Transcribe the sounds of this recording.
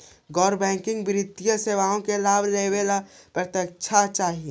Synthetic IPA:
ɡɔːɾbɛ̃ːŋkɪ̃ŋɡbɾɪd̪ijəseːʋaːõkelaːbɾeɦʋelapɾət̪jək̚t͡ʃʰat͡ʃaːɦie

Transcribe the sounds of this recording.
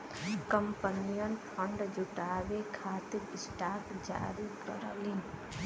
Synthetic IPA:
kəmpənijənpʰəɳɖd͡ʒʊʈaːʋekʰaːt̪ɪɾɪsʈaːkd͡ʒa̰ːɾikə̰ɾəlin

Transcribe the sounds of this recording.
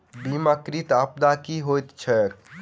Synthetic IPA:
bimakɾit̪ap̚d̪akiɦojt̪t͡ʃʰɛk

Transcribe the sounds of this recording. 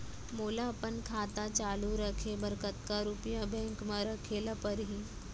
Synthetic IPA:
molaːpənkʰat̪at͡ʃaluɾəkʰebəɾkət̪kaɾupjabɛ̃ŋkmaɾəkʰelapəɾɦi

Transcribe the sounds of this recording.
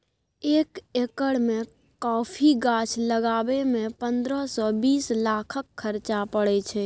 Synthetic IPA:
eːkekəɽmẽ | kɔːpʰiɡat͡ʃʰləɡaːbemẽpə̃nd̪ɾəɦsɔbiːslaːkʰəkʰːəɾt͡ʃapəɽɛt͡ʃʰɛ

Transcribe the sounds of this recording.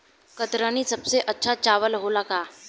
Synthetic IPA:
kət̪ɾaniːsəbseʔətːɕʰat͡ɕaʋəlɦolaka

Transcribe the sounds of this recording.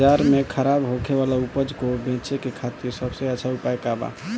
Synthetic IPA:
d͡ʒaɾmekʰəɾabɦokʰeβalaupəd͡ʒkobẽt͡ʃekekʰat̪iɾsəbsə̃ət͡ʃʰaupajkaba̰

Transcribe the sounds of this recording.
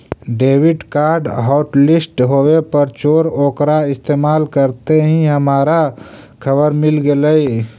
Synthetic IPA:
ɖeːwɪɖkaːɾɖɦɔːʈlɪsʈɦoːwepəɾt͡ʃoːɾoːkɾaɪst̪eːmaːlkəɾt̪eɦĩɦəmaːɾa | kʰəbəɾmɪlɡeləi

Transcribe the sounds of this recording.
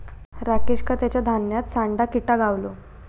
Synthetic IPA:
ɾakiɕkat̪jat͡ɕjad̪ʱanjat̪saɳɖakiʈaɡaʋlo

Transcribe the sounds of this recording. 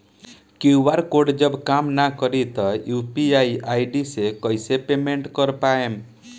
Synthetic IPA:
keubaɾkoɖd͡ʒɔbkamnakɔɾit̪ɔjupiajajɖisekɔjsepemeɳʈkɔɾpaem

